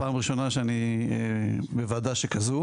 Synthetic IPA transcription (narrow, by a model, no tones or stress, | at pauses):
aːmʁiʃo̞naʃeanie | bevad̪aʃekazu